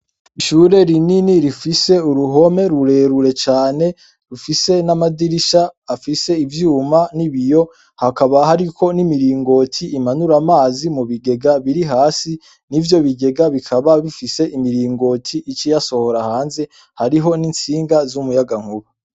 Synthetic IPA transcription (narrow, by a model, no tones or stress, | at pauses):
iʃuːɾe̞ɾininiɾifise̞uɾuɦo̞me̞ɾuɾe̞ːɾuɾe̞t͡ʃaːne̞ | ɾufise̞namadiɾiʃaːfise̞ivjuːmaniβijo̞ | hakaβahaɾikʰo̞nimiɾiːŋɡo̞ːtʰiːmanuɾamaːzimuβiɡe̞ɡaβiɾiɦaːsi | nivjo̞βiɡe̞ɡaβikʰaβaβifise̞ʔimiɾiːŋɡo̞tʰiʔit͡ʃijaso̞ho̞ɾahaːnze̞ | haɾiɦo̞nint͡siːŋɡazumujaɡaŋ̥huβu